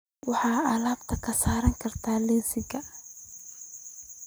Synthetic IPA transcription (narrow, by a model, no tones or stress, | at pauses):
wɑħɑːalaːbt̪ʰɐkʰɐsaːɾɐŋkʰɐrt̪ʰaːlɛnsɪɡɐ